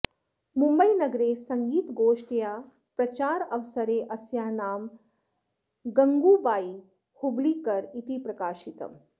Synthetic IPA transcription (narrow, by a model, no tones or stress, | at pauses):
mũmbəinɐɡɾesɐŋɡiːt̪ɡoːʂʈjaː | pɾɐt͡ʃaːɾɐʋsɐɾeːʔɐsjaːnaːm | ɡɐŋɡuːbaːi | hubliːkɐɾit̪ipɾɐkaːʃit̪ɐ̰m